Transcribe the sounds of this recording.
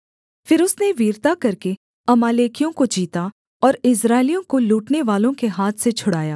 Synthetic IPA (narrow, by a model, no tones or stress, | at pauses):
fɪɾʊsneʋiːɾt̪akɐɾke | ɐmaːleːkijõkod͡ʒiːt̪a | ɔːɾɪsɾaːɪlijõkoluːʈneʋaːlõkeɦaːt̪ʰset͡ʃʰʊɽaːja̰ː